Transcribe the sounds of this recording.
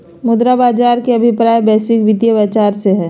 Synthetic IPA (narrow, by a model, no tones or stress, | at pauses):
mʊd̪ɾabaːd͡ʒaːɾkeɐbʱɪpɾaːjbɛːswɪkʋɪd̪jəbaːt͡ʃaːɾseɦɛː